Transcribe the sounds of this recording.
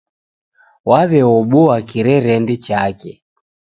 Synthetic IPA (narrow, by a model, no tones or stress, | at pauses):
waβɛɔɓuwakiɾɛɾɛndit͡ʃakɛ